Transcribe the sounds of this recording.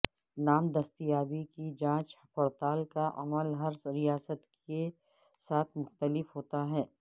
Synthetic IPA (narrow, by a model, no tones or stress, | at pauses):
naːmd̪ɐst̪ijaːbikid͡ʒãːt͡ʃpɐɾt̪aːlkaʔɐməlɦɐɾɾijaːsət̪ke | saːt̪ʰmʊxt̪əlɪfɦoːt̪aɦɛː